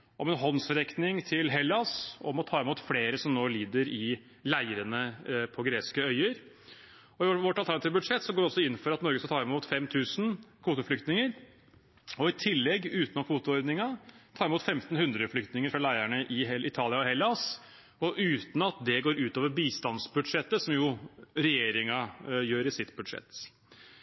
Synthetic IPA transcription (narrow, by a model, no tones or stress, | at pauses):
ɔmɛnɦɔnsɾɛknɪŋt̪ʰɪlɦɛlːɑsɔmɔt̪ʰɑːɪmuːt̪fleːɾəsɔmnoːliːd̪əɾɪ | læɪəɾənəpʰɔɡɾeːskəœʏəɾ | ɔɪʋɔʈːɑlt̪ʰæɳɑt̪iːʋəbʉd̪ʂɛt̪ːsɔɡoːɾɔsɔɪnːəfɔɾɑt̪nɔɾɡəskɑt̪ʰɑːɾɪmuːt̪fɛmt̪ʰʉːsn̩kʰʋuːt̪ʊflʏk̚t̪nɪŋəɾ | ɔɪt̪ʰɪlːɛɡːʉːt̪nɔkʰʋuːt̪ʊɔɾd̪nɪŋɑt̪ʰɑːɾɪmuːt̪fɛmt̪n̩hʉnd̪ɾəflʏkt̪nɪŋəɾfɾɑlæɪæɳəʔɪʔɪt̪ʰɑːlˠɪɑɔhɛlːɑs | ɔʔʉːt̪n̩ɑt̪̚d̪ɛɡoːɾʉːt̪oːʋəɾbiːst̪ɑnsbʉd̪ʂɛt̪ːəsɔmjʊɾɛjeːɾɪŋɑjøːɾɪsɪt̪ːbʉd̪ʂɛ̰t̪ː